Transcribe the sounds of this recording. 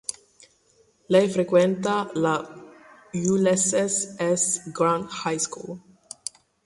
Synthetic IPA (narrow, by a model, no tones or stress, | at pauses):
lejfɾekwent̪ala | julesesesɡɾãnd̪hajskul